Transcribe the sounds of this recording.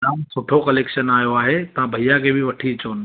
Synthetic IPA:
ɾaːmsʊʈʰokɐleːkʃənaːjoaːɦet̪ɐʋãbʱɐijakʰeːbɪʋɐʈʰiɪt͡ɕoːnɪ̆

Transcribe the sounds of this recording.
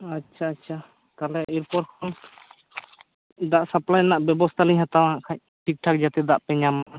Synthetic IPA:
atːt͡ʃʰaːtːt͡ʃʰa | k̪alɛʔiɾpɔɾkʰɔn | d̪aʔsaplajnaʔbjɛbɔst̪ʰaliɲɦat̪awaɦãʔkʰaɲ | ʈik̚ʈʰak̚d͡ʒat̪ɛd̪aʔpɛɲama

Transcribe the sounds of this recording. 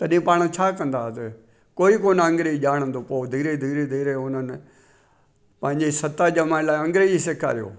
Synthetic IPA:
t̪ɐɗĩpaːɽ̃t͡ɕʰaːkɐ̃nd̪aːt̪e | koːikoːnɐ̃ŋɡɾeʄaːɽ̃ə̃nd̪oːpoːd̪ʱiːɾed̪ʱiːɾed̪ʱiːɾeʊnənɪ | pɐ̃ɦɪ̃ɲd͡ʑesɐt̪aʄɐmãlaːɐ̃ŋɡɾed͡ʑiseːkʰa̰ːɾijo̰ː

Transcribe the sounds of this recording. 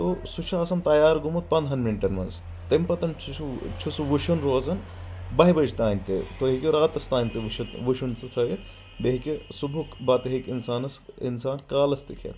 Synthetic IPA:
t̪osut͡ʃʰaːsɐmt̪ɐjaːɾɡumut̪̚pɐnd̪ɦɐnminʈɐnmɐnz | t̪empɐt̪ɐmt͡ʃʰut͡ʃʰusuʋuʃunɾoːzɐn | bɐɦibɐd͡ʒt̪aːnʲt̪ḛt̪oɦikʲeɾaːt̪ɐst̪aːnʲt̪iʃɐt̪ʋuʃunt͡sɐt̪ʰɾɐjet̪ | beɦikʲesubʱukbɐt̪ɐɦikinsaːnɐsḭnsaːnkaːlɐst̪ikʰɐ̰t̪

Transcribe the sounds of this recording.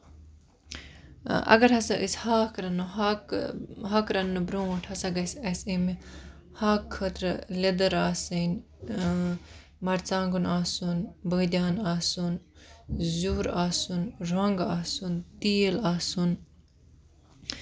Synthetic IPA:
ɐ̰ɡɐɾɦɐsɐʔishaːkɾɐnuɦkɦɐːkɾɐnːɨbɾũɐʈʰhɐsɐɡɐsɐsimi | haːkʰːɐt̪ɾled̪ɐɾaːsɐn | mɐɾt͡saːŋɡunaːsunbəːd̪ʲjaːnaːsun | zuːɾaːsunɾaŋɡaːsunt̪iːlaːsun

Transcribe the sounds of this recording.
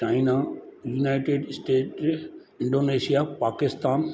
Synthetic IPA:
t͡ʃaːinajuːnaːɪʈeːɖsʈeːʈ | ɪ̃ɳɖoːneːʃijapaːkɪst̪aːn

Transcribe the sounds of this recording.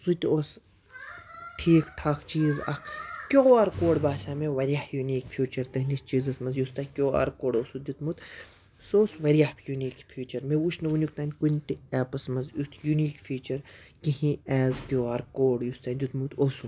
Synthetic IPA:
sut̪oːs | ʈʰiːkʈʰɐkʰt͡ʃiːzɐ̰kʰkʲoːaɾkoːɽbaːʃaːmeʋɐɾijahjuniːkfʰjuːt͡ʃɐɾt̪ɐɦnist͡ʃiːzɐsmɐzjust̪ɐkʲoːa̰ɾkoːɽoːsud͡ʒ̪ʲut̪mut̪ | soːsʋɐɾijahjuniːkfʰʲiːt͡ʃɐɾmeuʃnɐʋunʲjukt̪aːnʲkunʲt̪iɛːpɐsmɐzjut̪ʰjuniːkfʰʲiːt͡ʃɐɾkiɦĩɛːzkʲoːaːɾkoːɽjust̪ɐːnʲd͡ʒ̪ʲut̪mut̪oːsu

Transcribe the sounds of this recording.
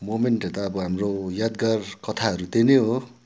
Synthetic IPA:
momeɳʈɦet̪aːbʌɦamrojad̪ɡarkʌt̪ʰaɦʌɾut̪eneɦo

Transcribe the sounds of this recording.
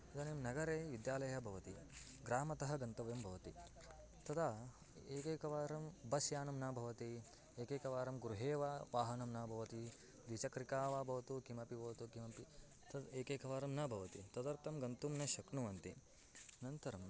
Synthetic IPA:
ɐd̪ɐnemnɐɡɐɾeːʋid̪jaːlɐjɐbʱɐʋɐt̪i | ɡɾaːmɐt̪ɐɦɐɡɐnt̪ɐʋɐjɐmbʱɐʋɐt̪i | t̪ɐt̪a | eːkeːkɐʋaːɾɐmbɐsjaːnɐmnaːbʱɐʋɐt̪i | eːkeːkɐʋaːɾɐmɡuɾuɦeːʋaːʋaːɦɐnɐmnaːbʱɐʋɐt̪i | d̪ʋit͡ʃɐkɾikaːʋaːbʱɐʋɐt̪ukimɐpibʱɐʋɐt̪ukimɐpi | t̪ɐd̪eːkeːkɐʋaːɾɐmnɐbʱɐʋɐt̪it̪ɐd̪ɐɾt̪ɐmɡɐnt̪umnɐʃɐknuʋɐnt̪i | nɐnt̪ɐɾɐm

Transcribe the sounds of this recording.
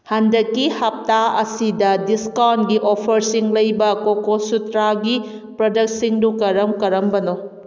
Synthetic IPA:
hɐndɐkːihɐp̚taɐsidɐdiskawnɡiʔopʰɐɾsiŋlɐjbɐkokosutɾaɡi | pɾɐdɐk̚siŋdukɐɾɐmkɐɾɐmbɐno

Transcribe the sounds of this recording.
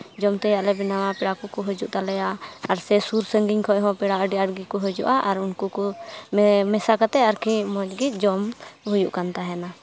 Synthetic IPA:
d͡ʒɔmt̪ɛjaʔlɛbɛnawapɛɽakɔkɔɦɔd͡ʒuʔt̪alɛjaaɾsɛsuɾsəŋɡiɲkʰɔʔɦɔ̃pɛɽaəɖiaɽɡikɔɦɔd͡ʒṵʔaʔaɾunkukɔ | mɛsakat̪ɛaɾkʰimɔd͡ʒɡic̪̚ˀd͡ʒɔmɦɔjuʔkant̪aɦɛna

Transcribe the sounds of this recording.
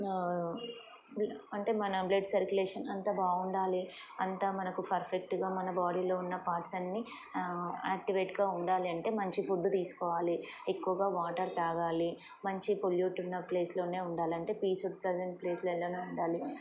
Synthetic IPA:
ɐɳʈe̞ːmɐnɐbleɖsɐɾkuleːʂɐnɐnt̪aːbaːuɳɖaːliɐnt̪aːmɐnɐkupʰɐɾpʰek̚ʈɡaːmɐnɐbaːɽiːlo̞ːunːɐpaːɾsɐnːi | aːk̚ʈiʋeːʈɡaːuɳɖaːliɐɳʈe̞ːmɐɲt͡ʃipʰuɖːut̪iːsu̥kɔːʋaːliekːuʋɐɡaːʋaːʈɐɾt̪aːɡaːli | mɐɲt͡ʃipoljuːʈunːɐple̞ːslo̞ːne̞ːuɳɖaːliɐɳʈe̞ːpiːsuɖ̚pɾed͡ʒeɳʈ̚pleːslɛlːɐneːuɳɖaːli

